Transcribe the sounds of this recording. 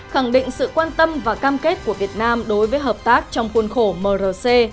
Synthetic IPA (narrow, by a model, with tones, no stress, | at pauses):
xa˧˩ŋɗḭ˧˨ŋ̟sɨ̰˧˨kwaː˧nt̪ə˧mvaː˨˩kaː˧mke˦˥t̚ku˧˩əvi˨˩ət̚naː˧mɗo˨˦jvəː˨˦jɦəː˨˩p̚t̪aː˦˥k̚t͡ɕɔ˧wŋ͡mxu˧ənxo˧˩məː˨˩zəː˨˩se˧